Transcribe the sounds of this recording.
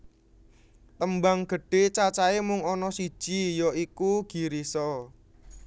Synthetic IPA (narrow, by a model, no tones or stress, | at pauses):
t̪əmbaŋɡ̥ə̤ɖ̥e̤t͡ʃat͡ʃaemʊŋɔnɔsi̥ʒ̥ijɔikuɡ̥i̤ɾisɔ